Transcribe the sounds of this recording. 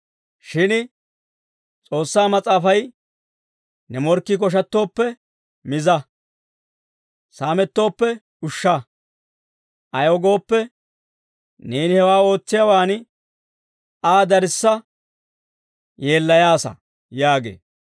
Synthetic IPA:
ʃɪn | t͡sʼo̞ːsːaːmɐt͡sʼaːfɐj | nɛmɔɾkːɪk̬ɔʃ̬ɐt̪ːo̞ːpːɛ | mɪzɐ | saːmɛt̪ːo̞ːpːɛ | ʊʃːɐ | ʔɐjɔɡo̞ːpːɛ | neːnɪhɛwaːo̞ːt͡sːɪjɐwaːn | aːd̪ɐɾɪsːɐ | je̞ːlːɐjaːsɐ̰ | jaːɡḛː

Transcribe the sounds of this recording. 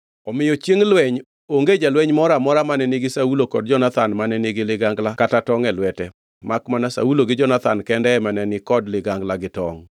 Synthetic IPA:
ɔmɪjɔt͡ʃjeŋlwɛɲ | oŋɡed͡ʒalwɛɲmɔɾamɔɾamanɛnɪɡɪsaulokɔd̚d͡ʒɔnat̪anmanɛnɪɡɪlɪɡaŋɡlakatatɔŋɛlwɛtɛ | makmanasa̰uloɡɪd͡ʒɔnat̪ankɛndɛːmanɛnɪkɔdlɪɡaŋɡlaɡɪtɔ̰ŋ

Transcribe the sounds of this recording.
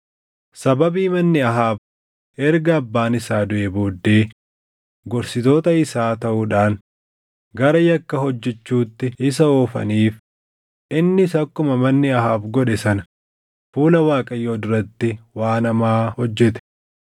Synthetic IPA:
sɐbɐbiːmɐnːɪɐɦaːb | ʔɛɾɡɐːbːaːnɪsaːd̪ʊʔeːboːd̪ːe̞ː | ɡɔɾsɪt̪o̞ːt̪ɐɪsaːt̪ɐʔʊᶑaːn | ɡɐɾɐjɐkːɐɦɔd͡ʒːɛt͡ʃːuːt̪ːɪɪs̬ɐoːfɐ̰niːf | ʔɪnːɪsɐkːʊmɐmɐnːɪɐɦaːbɡɔᶑɛsɐnɐ | fuːlɐwaːkʼɐjːoːd̪ɪɾɐt̪ːɪwaːnɐmaːhɔd͡ʒːɛt̪ɛ̥

